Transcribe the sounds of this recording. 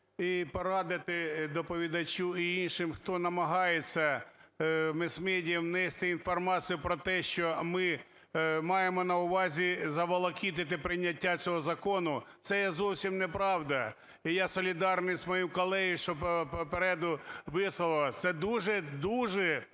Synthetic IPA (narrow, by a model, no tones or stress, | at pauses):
ipɔɾɑd̪ɪt̪ɪd̪ɔpɔʋʲid̪ɐt͡ʃʲuiinʃɪmxt̪ɔnɐmɐɦɑjet͡sʲːɐ | mɪsmɛdʲwnɛst̪ɪinfɔrmɑt͡sʲijʊpɾɔt̪ɛʃt͡ʃɔmɪ | mɑjemɔnɐʊʋɑzʲizɐʋɐlˠɐkʲit̪̬ɪt̪̬ɪpɾɪjnʲːɐtʲːat͡sʲɔɦɔzɐkɔnʊt̪sɛjɛzɔwsʲimnepɾɑwd̪ɐ | ijɑsɔlʲid̪ɑrnɪjzmɔjimkɔlˠɛɦjʃɔpɔpeɾɛd̪ʊʋɪsɪlˠt̪sɛd̪uʒɛd̪uʒɛ